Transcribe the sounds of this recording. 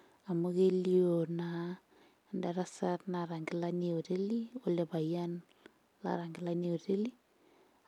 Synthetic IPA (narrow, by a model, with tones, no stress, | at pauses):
a˨mo˦ke˦li˦o˨na˨ | nda˨ɾa˦sa˦tna˨ɾa˨ŋɡɪ˦la˦ni˦o˨ɾe˦li˦o˦le˨ba˨ja˦n | la̰˨ɾa˨ŋɡɪ˦la˦ni˦o˨ɾe˦li˦